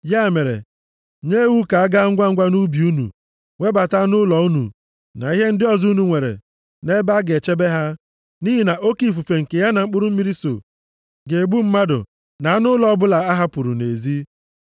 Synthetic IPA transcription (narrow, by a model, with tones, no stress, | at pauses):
ja˦˨me˨ɾḛ˨ | ɲe˦wu˦ka˨a˦ɡa˦ŋ̩˦ɡʷa˦ŋ̩˦ɡʷa˦nu˦bi˨u˦nṵ˨ | ŋʷe˦ba˨ta˦nʊ˦lɔ˨u˦nṵ˨ | na̰˨i˦ɦe˦n̩˦dɪ˦ɔ˨zu˦nu˨ŋʷe˨ɾḛ˨ | ne˦ba˦ɡe˨t͡ʃe˦be˦ɦa˦ | ni˦ɦi˨na˨ʔo˦ki˦˨f̬u˨fe˨ŋ̩˨ke˨ja˦na˨ŋ͡m̩˦k͡pʊ˦ɾʊ˦m̩˦mi˦ɾi˦so̰˨ | ɡe˨ɡ͡bu˦m̩˦ma˦dʊ̰˨ | na˨a˦nʊ˦lɔ˨ɔ˦bʊ˦la˨a˦ɦa˦pʊ˨ɾṵ˨ne˨zi˦